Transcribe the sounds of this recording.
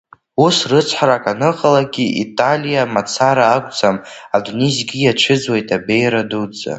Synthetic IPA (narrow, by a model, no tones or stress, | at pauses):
usrɨt͡sʰħʷaɾakʼanɨqʼalaɡʲiʔḭtʼalijamat͡sʰaɾaːkʷʼt͡sʰʼamadunezɡʲijaʈ͡ʂʰɨd͡zwejtʰʼabe̞jɾadud͡za̰